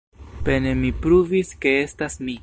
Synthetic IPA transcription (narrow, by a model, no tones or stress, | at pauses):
pe̞ne̞mipɾuviske̞e̞stasmi